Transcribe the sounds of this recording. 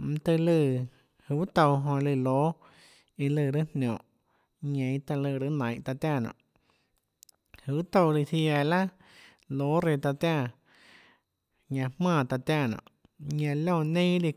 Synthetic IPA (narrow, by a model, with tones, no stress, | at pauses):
m̩˧t̪ɨ˧lɨ˧˨ | hɨ˧˨˦t̪o˧wɦõ˧lɨ˧˨loː˨˦ | i˧lɨ˧˨ɾɨ˦nnʲõ˨ʔ | ɲẽ˨˧˦t̪a˧lɨ˧˨˧ɾɨ˧˦nã˨j̃ʔt̪a˧t̪ja˧˨nã̰˨ʔ | hɨ˨wt̪o˧˨˧li˧si˧a˧˨la˦ | lo˨˦ɾe˧t̪a˧t̪jã˦˧˨ | ɲã˧hmãː˧˨t̪a˧t̪ja˧˨nã̰˨ʔ | ɲã˧lõ˦˧˨nẽ˦li˧